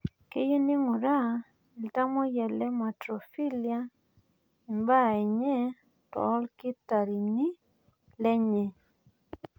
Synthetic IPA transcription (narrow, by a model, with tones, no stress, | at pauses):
ke˦je˦ni˦ŋu˨ɾa˦˨ | i˨lta˦mɔ˦jɛ˨lɛ˦ma˨tɾɔ˨fi˦li˨a˦ | i˨mba˦˨ɛ˨ɲɛ˦ | tɔ̰˨˦lkɪ˦ta˨ɾi˨ni˦ | lɛ˦ɲɛ˨